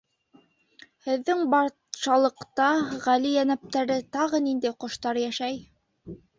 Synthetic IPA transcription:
hɘ̆ðːɘŋbɑɾ | ʃɑlˠɤ̆qt̪ɑʁælijænæp̚t̪æɾɘt̪ɑʁɤnind̪æjqŏʃt̪ɑɾjæʃæj

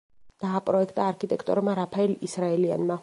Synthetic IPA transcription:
d̪̥aːpʼɾɔɛkʰt̪ʼaːɾkʰit̪ʼɛkʰt̪ʼɔ̰ɾmaɾapʰaɛlisɾaɛlia̰nma

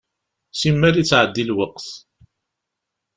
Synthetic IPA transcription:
simːæɾit͡sːʕəd̪ːilwəqθ

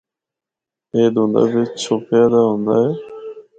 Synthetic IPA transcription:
eːd̪ũːnd̪a̰ːbiːt͡ʃʰoːpjaːd̪aːɦũːnd̪aːɦeː

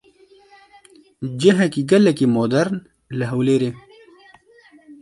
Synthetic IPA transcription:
d͡ʒɐɦɐkiɡɐlːɐkimoːd̪ɐɾn | ləɦɐwleːɾeː

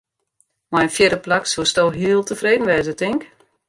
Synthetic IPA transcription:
majənfjɪɾəplaksostolɦiəlˠtəfreːdən̩ʋɛzətɪŋk

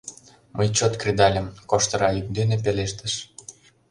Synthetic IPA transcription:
mʔəjt͡ɕot̪krʲid̪ɑlʲə̆mkoʃt̪ɤ̆ɾɑyk̚d̪enep̬eleʃt̪ə̆ʃ

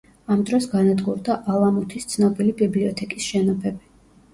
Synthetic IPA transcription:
amd̪ɾɔsɡanad̪ɡuɾd̪aʔalˠamut̪ʰist̪sʰnɔbilibibliɔt̪ʰɛkʼisʃɛnɔpʰɛbi

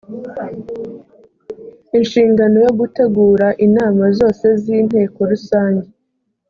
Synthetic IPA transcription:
inʃiːŋɡano̞jo̞ɡute̞ɡuːɾaʔinaːmazo̞ːse̞ziːn̥he̞ːko̞ɾusaːɲɟe

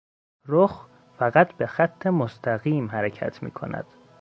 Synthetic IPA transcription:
ɾox | fæɣæt̪ʰbe̞xæt̪ʰːemost̪ʰæɣiːmɦæɾecʰæ̰t̪ʰmḭːkʰo̞̰næ̰d̪̥

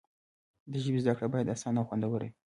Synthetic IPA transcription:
d̪əʒəbizd̪akɽebɑjad̪asɑnaxwand̪awəɾḭ

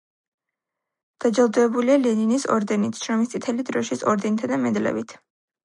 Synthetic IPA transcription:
d̪̥ad͡ʒalˠd̪ɛːbulialɛninisɔ̰ɾd̪ɛnit̪ʰʃɾɔmist̪sʼit̪ʰɛlid̪ɾɔʃisɔɾd̪ɛnit̪ʰad̪amɛd̪lɛ̰bit̪ʰ

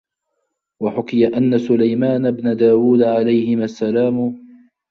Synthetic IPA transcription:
waħʊkɪjaʔanːasʊlajmaːnabnad̪aːwuːd̪ʕalajhɪmasːalaːmʊ

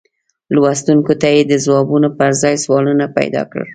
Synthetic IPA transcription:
lwast̪uŋkot̪ajed̪əzwɑbunopəɾzɑjswɑlunapa̰jd̪ɑ̰kɽə̰l

